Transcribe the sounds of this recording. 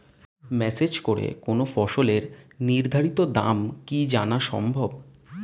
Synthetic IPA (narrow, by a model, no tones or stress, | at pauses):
mɛsed͡ʑkoɾḛkonofɔʃoleɾniɾd̪ʱaɾit̪od̪a̰mkid͡ʑanaʃɔ̰mbʱob